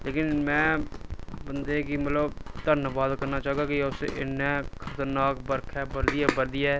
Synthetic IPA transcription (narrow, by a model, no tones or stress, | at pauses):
leːkɪnmɛ̃ː | bənd̪eːkimət̪ləbt̪əɾnbaːd̪kəɾnaːt͡ʃaːɦɡaːkɪʊsʔɪnːɛ̃ːkʰət̪əɾnaːkbəɾkʰɛːbəɾd̪ɪjɛːbəɾd̪ɪjaː